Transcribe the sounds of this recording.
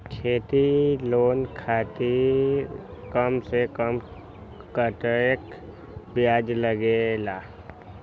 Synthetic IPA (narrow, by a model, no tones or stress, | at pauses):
t͡ʃʰeːt̪iloːnkʰaːt̪i | kəmsekəm | kəʈ̪ek | bjaːd͡ʒləɡelaː